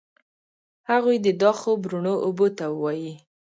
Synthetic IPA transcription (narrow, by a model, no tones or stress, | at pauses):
haɣujd̪əd̪ɑxobɾuɳoʔobot̪awəwɑji